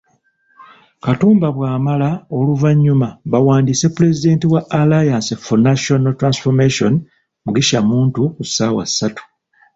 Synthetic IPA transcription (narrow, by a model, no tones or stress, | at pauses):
katuːmbaβwaːmalaoluvaɲːumaβawaːndiːse̞pule̞zide̞ːntiwaʔalajaːnsefonaʃonotːɾansfomeʃo̞n | muɡiʃamuːntukusaːwa̰sːatu̥